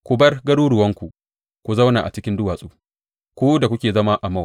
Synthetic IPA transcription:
kʷu˨bɐ˦rɡɐ˦ɽuː˦ɽʊ˨wɐ˦ŋkʷu˨ | kʷu˨za˦wnaː˨ʔa̰˨t͡ʃɪ˦kʲɪ˦ndʊ˦waː˨sʼuː˦ | kʷu˦da˨kʷʊ˦kʲeː˨zɐ˦ma˦ʔa˨mɐ˦w

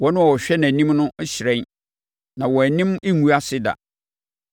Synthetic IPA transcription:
wɔ˦nʊ̃˦˨ɔ˨ɕᶣɛ˦nã˨nĩ˦mnʊ̃˦ɕɪ˨ɾɛ̃˦n | nã˨wɔ˨æ˨nĩ˦me˦ŋu˦a˦sɪ˦da̰˨

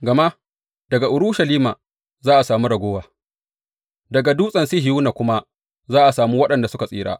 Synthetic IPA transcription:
ɡɐ˨ma˦ | d̥ɐ˨ɡa˨ʔʊ˨ɾʊ˦ʃɐ˨liː˦maː˨ | zaː˦ʔa˨saː˨mu˦ɽɐ˨ɡʷoː˦waː˨ | dɐ˨ɡa˨du˦sʼɐ˨nsi˦hɪ˨juː˦na˨kʷʊ˦ma˦ | zaː˦ʔa˨saː˨muː˦wɐ˦ɗɐ˨nda˨sʊ˦ka˨sʼḭː˦ɽa̰ː˦

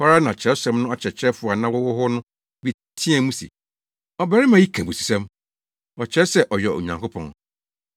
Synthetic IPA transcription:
fa˦ɾa˦nã˨t͡ɕʰɛ˨o˦sa˨mnʊ̃˦ɔ˦t͡ɕʰɛ˨t͡ɕʰɾɛ˦fʊ˨a˨nã˦wʊ˦wʊ˦ɦʊ˦nʊ̃˦ | bi˦ | tʰĩ˦ɛ̃˨˦mũ˦sḭ˨ | ɔ˨bɛ˦ɾɪ˦mã˨ji˦kʰã˨bo˨si̥˨sɛ̃˦m | ɔ˨t͡ɕʰɛ˦sɛ˦ʔɔ˨jɛ˨o̰˨ɲã˨ŋkʰo˦pʰɔ̰̃˨ŋ

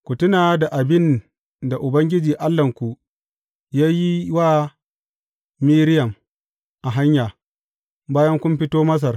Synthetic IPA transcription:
kʷu˨tʊ˦naː˨da˨ʔa˨bɪ˦n | da˨ʔʊ˨bɐ˦ŋɡʲɪ˦d͡ʒiː˨ʔa˦lːɐ˨ŋkʷu˨ | jaː˦ji˦waː˦ | miː˦ɾɪ˦jɐ˨m | ʔa˨ɦa˦ɲjaː˨ | baː˦jɐ˦ŋkʷʊ˦mɸɪ˦toː˦mɐ˦s̬ɐ˨r

